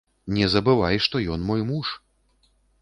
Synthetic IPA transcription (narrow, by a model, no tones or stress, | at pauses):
nʲɛzɐbɨvajʂt̪ɔjɔnmɔjmuʂ